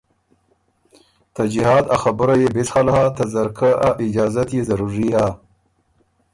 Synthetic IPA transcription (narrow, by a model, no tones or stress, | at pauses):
t̪ad͡ʒiɦɑːd̪axabəɾajebɪsxalhat̪azaɾkʰaʔaʔɪd͡ʒɑːzat̪jezaɾuɾia